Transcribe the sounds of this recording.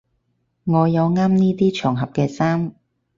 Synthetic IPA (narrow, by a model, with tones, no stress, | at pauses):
ŋɔː˨˧jɐ˨˧wŋaː˥mniː˥t̪iː˥t͡ʃʰœː˨˩ŋɦɐ˨p̚kɛː˧saː˥m